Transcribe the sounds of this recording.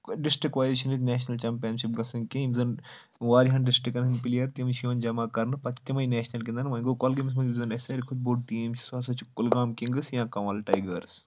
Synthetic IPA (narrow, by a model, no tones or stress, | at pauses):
ɖɪsʈɾikʋaːziʃɐnit̪neːʃnɐlt͡ʃɐːmpijɐnʃip̚ɡɐsɐŋkimzɐn | ʋaːɾiɦɐnɖɪsʈɾikːɐnsɐnpilijɐɾt̪imʃiʋɐnd͡ʒɐmaːkɐɾnɨpɐt̪ːjɐmɐjneːʃnɐlk̬ʲind̪ɐnmɐĩɡoːkolɡimis̬mɐnʲizɐnesɐɾikʰud̪̚boːʈiːmssɐːsɐt͡ʃʰukʊlɡaːmkiŋɡɨsjãːkɐʋɐːlʈɐjɡɐɾs